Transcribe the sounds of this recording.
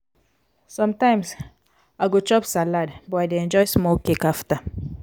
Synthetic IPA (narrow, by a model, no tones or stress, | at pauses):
sɔ̃mtãɪ̃ms | aɡot͡ʃɔpsaladbɔaɪdeɛ̃nd͡ʒɔɪsmokekafta